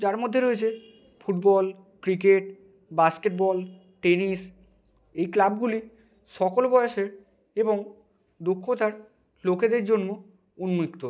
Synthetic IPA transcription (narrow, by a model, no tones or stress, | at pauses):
d͡ʑaɾmod̪ʱːeɾoet͡ɕʰe | fuʈbɔl | kɾik̬eʈ | baskeʈ̚bɔl | ʈenis | ejklabɡuli | ʃɔkolbɔeeʃeɾ | eboŋ | d̪okʰːot̪aɾ | loked̪eɾd͡ʑonːo | unmikt̪o